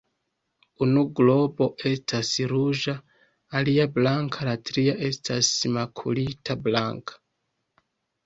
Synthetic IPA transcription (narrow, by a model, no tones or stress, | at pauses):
unuɡlo̞bo̞ʔe̞stʰasɾud͡ʒaː | liablaŋkʰalatɾiaʔe̞stʰasmakʰṵlitʰablaŋkʰḁ